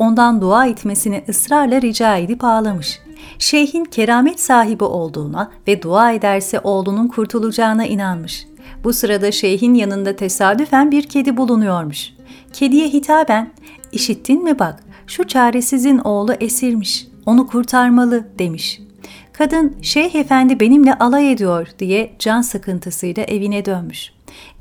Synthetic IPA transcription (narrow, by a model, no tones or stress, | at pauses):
o̞nd̪and̪uaːit̪me̞siniʔɯsɾaɾlˠaɾid͡ʒaːed̪ipaːlˠamɯʃ | ʃe̞jɦincʰe̞ɾaːmɛt̪saːɦibiʔo̞lˠd̪uːnavɛd̪uaːe̞d̪æɾsɛʔo̞ːlˠununkʰuɾt̪ʰulˠud͡ʒaːɯnaʔinanmɯʃ | b̥usɯɾad̪aʃe̞jɦinjanɯnd̪at̪ʰe̞saːd̪yfænbiɾcʰe̞d̪ibulˠunujo̞ɾmuʃ | cʰe̞d̪ijɛɦit̪ʰaːbæn | iʃit̪ʰːinmibakʃut͡ʃʰaːɾe̞sizino̞ːlˠuʔesiɾmiʃ | o̞nukʰuɾt̪ʰaɾmalˠɯd̪̥e̞miʃ | kʰad̪ɯnʃejɦefænd̪ibe̞nimlʲɛʔalˠajed̪ijo̞ɾd̪̥ijɛd͡ʒansakʰɯnt̪ʰɯsɯjlˠaʔe̞vinɛd̪ønmyʃ